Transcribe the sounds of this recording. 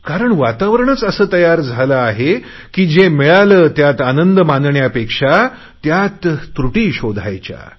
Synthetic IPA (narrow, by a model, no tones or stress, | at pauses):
kaɾəɳʋat̪aʋəɾɳət͡səsəːt̪əjaɾd͡zʱalaːɦe | kiːd͡ʑemɛɭaləːt̪jat̪anənd̪əmand̪ɳjapekʂa | t̪jat̪ːɾuʈiːɕod̪ʱa̰jt͡ɕja̰